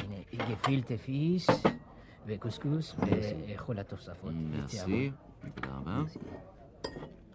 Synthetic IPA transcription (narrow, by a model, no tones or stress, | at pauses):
ineiɡefilt̪efis | vekuskusveːχolat̪oʁsafot̪mḛsiai | da̰bas